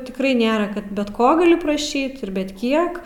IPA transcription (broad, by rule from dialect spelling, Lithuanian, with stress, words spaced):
tʲɪkˈrɐɪ ˈnʲeːrɐ ˈkɐt bʲɛt ˈkoː ɡɐˈlʲɪ prɐˈʃʲiːt ɪr bʲɛt ˈkʲiɛk